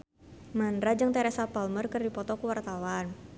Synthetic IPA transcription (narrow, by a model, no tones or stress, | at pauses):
mandɾad͡ʒɨŋt̪ɛɾasapalmərkɨrdipɔt̪ɔkuwart̪awan